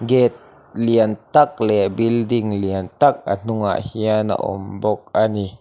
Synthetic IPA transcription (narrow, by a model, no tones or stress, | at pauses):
ɡɛt̪̚ | liənt̪ak̚lɛbildiŋliənt̪ak̚a̰n̥uŋa̰ʔhiana̰ʔɔ̰mbɔk̚ʔani